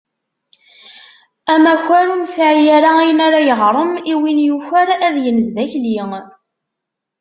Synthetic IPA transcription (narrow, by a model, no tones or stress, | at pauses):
æmæçʷæɾumsʕjæɾaijənaɾajəʁɾˤəmiwinjufæɾæðjənəzðæçliŋ